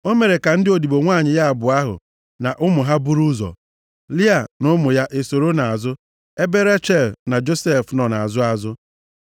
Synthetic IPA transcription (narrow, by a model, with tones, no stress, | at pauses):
o˦me˨ɾe˨ka˨n̩˦dɪ˦o˨di˨bo˨ŋʷa˦˨ɲɪ˨ja˦a˨bʊ˨a˦ɦʊ̰˨ | na˨ʔʊ˦mʊ˨ɦa˦bu˦ɾu˦zɔ̰˨ | li˦a˨nʊ˦mʊ˨ja˦ʔe˨so˨ɾo˦na˨a˨zʊ˦ | e˦be˦ɾe˦t͡ʃe˦˨lna˨d͡ʒo˦se˦˨fnɔ˨na˨a˨zʊ˦a˦˨zʊ˦